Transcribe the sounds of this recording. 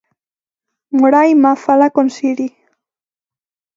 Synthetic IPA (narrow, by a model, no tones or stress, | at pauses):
muɾajmafalakonsiɾi